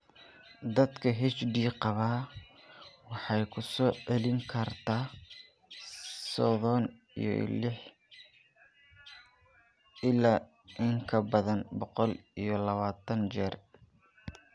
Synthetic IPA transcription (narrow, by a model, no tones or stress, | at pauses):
d̪ɐd̪kʰɐɦɛt͡ʃɖiːqɑβaː | wɑħɑjkʰʊsɔːʕɛlɪŋkʰɐrt̪ʰaː | sɔðɔn | ḭjɔ̰lɪħ | ɪlaː | ʔɪŋkʰɐbɐðɐnbɔqɔlijɞlɐβaːt̪ʰɐnt͡ʃɛːr